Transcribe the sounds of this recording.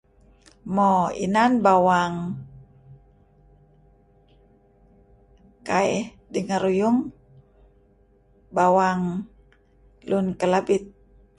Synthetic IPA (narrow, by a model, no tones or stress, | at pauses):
mɔḭnanbawaŋ | kaɛ | diŋaɾujuŋ | bawaŋ | lunkəlabit̪̚